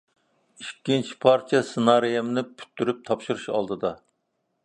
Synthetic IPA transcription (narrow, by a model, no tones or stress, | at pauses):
iʃkʲːint͡ʃʰi̥pʰɑɾt͡ʃʰijɛsɨnɑɾijɛmnɨpʰy̥t̪ʰːyɾyp̚t̪ʰɑpʃuɾuʃɑ̰lˠd̪ɨd̪ɑ